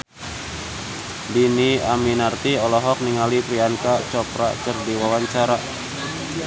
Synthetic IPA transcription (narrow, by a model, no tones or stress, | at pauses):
diniaminart̪iɔlɔɦɔk̚niŋalipɾiankat͡ʃɔpɾa̰kərdiwawaɲt͡ʃaɾa